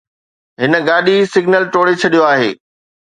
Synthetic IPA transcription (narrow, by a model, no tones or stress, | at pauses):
ɦɪnə̆ɡaːɗisɪɡnəlʈoːɽet͡ɕʰɐɗijoaːɦḛː